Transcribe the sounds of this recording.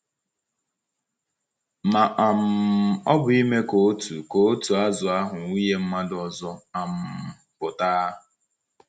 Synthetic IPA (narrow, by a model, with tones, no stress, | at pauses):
ma˨ʔa˨m̩˨ɔ˦bʊ˨i˦me˦ko˨˦tu˨ko˨˦tu˨a˦zʊ˨a˦ɦʊ˨ŋu˦je˦m̩˦ma˦dɔ˨zɔ˦a˨m̩˨ | pʊ˨ta˦ʊ˨